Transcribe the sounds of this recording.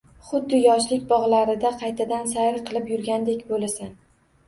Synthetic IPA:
χʊd̪ːɪjɒʃlɪkʲbɒʁlˠaɾɪd̪aqʰɑjt̪ʰad̪ansaɾqʰɨlˠɪpjʊɾɡʲand̪ekʲbolasan

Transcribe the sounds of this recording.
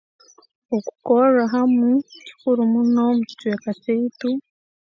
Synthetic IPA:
oku̥koɾaɦamekuɾimunomuci̥tuwekateitu

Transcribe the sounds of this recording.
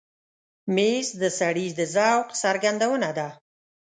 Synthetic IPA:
mesd̪əsaɽizd̪əzawqsaɾɡand̪awənad̪a

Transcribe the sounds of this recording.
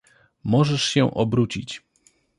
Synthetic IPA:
mɔʐɛʂɕɛʔɔbɾut͡ɕit͡ɕ

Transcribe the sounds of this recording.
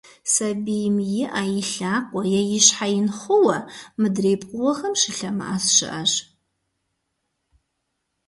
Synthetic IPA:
sɐbijmjɪʔaːjɪɬaːkʷʼɔjɛjɪɕħajɪnχʷʊwɐmɨdreːpʼqʼʊwɐxɐmʃɪɬɐmɨ̰ʔaːsʃɨ̰ʔɐʂ

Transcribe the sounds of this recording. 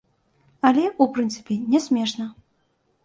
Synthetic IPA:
ɐlʲɛupɾɨnt̪sɨ̥pʲɛnʲɛsʲmʲɛʂnɐ

